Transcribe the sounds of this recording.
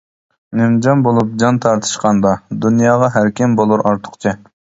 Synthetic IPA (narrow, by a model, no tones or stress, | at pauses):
nemd͡ʒɑnbolˠup̚d͡ʒɑnt̪ʰɑɾt̪ʰɨ̥ʃqʰɑnd̪ɑd̪unjɑːʁɑɦæɾkʲɪmbolˠuɾʔɑɾt̪ʰə̥χqt͡ʃʰɪ